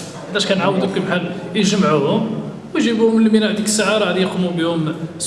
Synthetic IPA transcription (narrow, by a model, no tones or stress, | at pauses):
ħd̪æʃkænʕawːəd̪ukəlmħalːjʒəmʕuhʊm | wjʒibuhʊməlminaʕd̪iksaʕɑɾˤɑʕd̪ijqumubihʊms